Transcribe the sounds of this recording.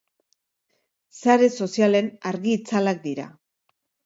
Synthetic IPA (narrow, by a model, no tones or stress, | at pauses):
saɾe̞so̞siale̞naɾɣiːt͡salak̚d̪iɾa̰